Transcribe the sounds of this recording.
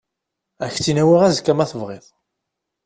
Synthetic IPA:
æçt͡sːinæwiʁæzkːæmæθəvʁɪðˤ

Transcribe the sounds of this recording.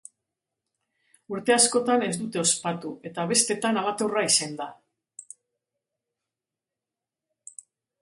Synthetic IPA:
uɾt̪e̞asko̞t̪ane̞zd̪ut̪e̞o̞spat̪ue̞t̪aβ̞e̞st̪e̞t̪analat̪oraisend̪a

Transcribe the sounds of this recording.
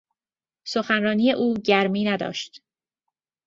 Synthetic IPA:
soxænɾɒːniːje̞ʔuːɟæɾmiːnæd̪ɒ̰ːʃt̪

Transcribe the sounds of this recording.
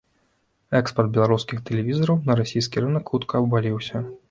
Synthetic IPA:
ɛkspɐrd̪̚bʲɛlˠaɾuskʲixt̪ɛlʲɛvʲizɐɾɐwnɐɾasʲijs̬kʲiɾɨnɐkxut̪kɐːbbalʲiwsʲɐ

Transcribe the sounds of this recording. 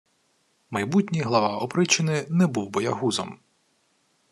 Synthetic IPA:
mɐjbutʲnʲijɦlˠɐʋɑɔpɾɪt͡ʃɪnɪnɛbuwbɔjɐ̰ɦuzɔ̰m

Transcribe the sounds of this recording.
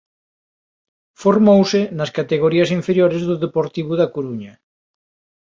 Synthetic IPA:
foɾmowsenaskat̪eɣ̞oɾiɐsiɱfeɾjoɾezðuðepoɾt̪iβ̞uðakuɾuɲa

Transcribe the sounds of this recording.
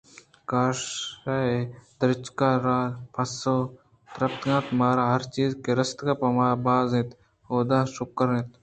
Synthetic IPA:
kaːʃaːed̪ɐɾɪt͡ʃkaːɾaːpʰɐsoː | t̪ɾɐpt̪ɡãːt̪maːɾaːɦɐɾt͡ʃiːzkeɾɐst̪kapɐmaːbaːzẽːt̪ | hoːd̪aːʃʊkəɾẽːt̪

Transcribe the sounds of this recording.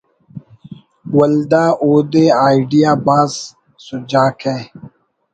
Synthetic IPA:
wɐld̪aːʔoːd̪eaːiɖijaːbaːzː | ud͡ʑaːkʰeː

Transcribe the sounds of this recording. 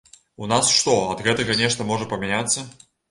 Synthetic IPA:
unasʂt̪ɔɐd̪ɣɛt̪ɐɣɐnʲɛʂt̪ɐmɔʐɐpɐmʲanʲat̪sːɐ

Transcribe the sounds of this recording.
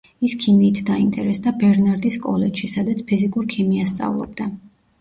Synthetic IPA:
iskʰimiːt̪ʰd̪aint̪ʼɛɾɛsd̪abɛɾnaɾd̪iskʼɔlɛt͡ʃʃisad̪at̪sʰpʰizikʼuɾkʰimiast̪sʼa̰vulˠɔ̰b̚d̪a

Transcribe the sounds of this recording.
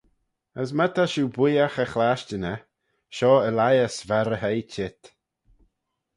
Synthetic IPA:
əsmət̪ʰaʃuːbujaxəxlaːʃt͡ʃənə | ʃɔːəlajəsvaɾəɦejt͡ʃʰɪt̪

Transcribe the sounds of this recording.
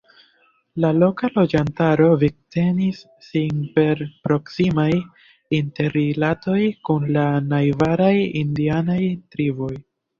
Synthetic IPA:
lalo̞kalo̞d͡ʒantaɾo̞viɡ̚te̞nisː | inpe̞ɾpɾo̞ksimaj | inte̞ɾilato̞jkunlanajvaɾajindianajtɾiboj

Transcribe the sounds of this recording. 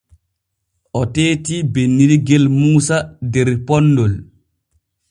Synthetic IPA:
ʔɔteːtibenːiɾiɡɛlmuːsadɛɾpɔnːdɔl

